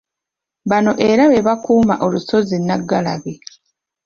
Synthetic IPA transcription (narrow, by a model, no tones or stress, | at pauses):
βano̞ʔeɾaβe̞βakuːma̰ʔo̞luso̞zinːaɡːala̰βe